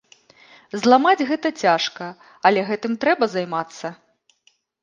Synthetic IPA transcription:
zlˠamad͡zʲɣɛt̪ɐt͡sʲaʂkɐ | ɐlʲɛɣɛt̪ɨmt̪ɾɛbɐzajmat̪sːɐ

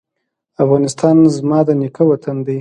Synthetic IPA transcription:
afɣɑnɪst̪ɑnzmɑd̪ənɪkəwat̪and̪aj

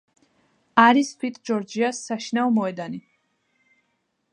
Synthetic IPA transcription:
aɾisfʰit̪ʰʼd͡ʒɔɾd͡ʒiasːaʃinaɔmɔɛd̪ani

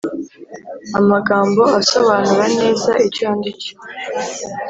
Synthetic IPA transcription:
amaɡaːmbo̞aso̞βanuɾane̞ːzaʔicaːndiciwe

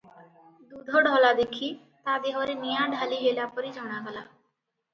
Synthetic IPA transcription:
d̪uːd̪ʱoːɖʱɔːlaːd̪eːkʰiː | t̪aːd̪eɦoːɾenijãːɖʱaːliːɦeːlaːpəɾiːd͡ʒɔːɽ̃aːɡəla̰ː

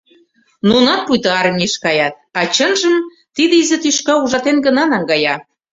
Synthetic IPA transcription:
nunɑn̚pujt̪ɑɑrmʲiʃkɑjɑt̪̚ɑt͡ɕənʒəm | t̪id̪izĕt̪yʃkɑuʒɑt̪enɡənɑnɑŋɡɑjɑ

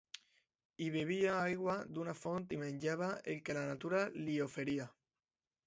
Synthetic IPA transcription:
iβeβ̞iaajɣwad̪unafont̪imẽɲʲʎaβaeŋkelanat̪uɾaliofeɾia

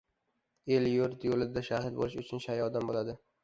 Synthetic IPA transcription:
eljʊɾt̪jolɪd̪aʃahɪt̪̚bo̰lɪʃʊt͡ʃʰʊnʃajɒd̪ambolad̪ɪ

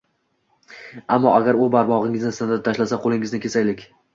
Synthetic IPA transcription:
amːɒʔaɡʲaɾʊbaɾmɒʁɪŋɪznɪsnad̪at̪ʰaʃlasaqʰolˠɪŋɪznɪkʲʰe̞sajlɪkʲ

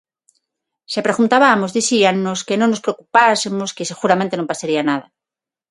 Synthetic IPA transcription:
sepɾeɣunt̪aβamozðiθianːoskenõŋnospɾeokupasemoskeseɣuɾamẽnt̪enompasaɾianað̞a

